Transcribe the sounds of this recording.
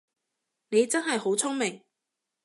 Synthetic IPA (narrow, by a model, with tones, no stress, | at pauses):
ne˨˧jt͡sɐ˥nɦɐ˨jho˨˥wt͡sʰʊ˥ŋmɪ˨˩ŋ